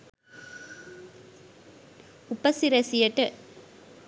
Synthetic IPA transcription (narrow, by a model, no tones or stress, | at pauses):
ʊpːɐsɪɾɐsɪjɐʈːɐ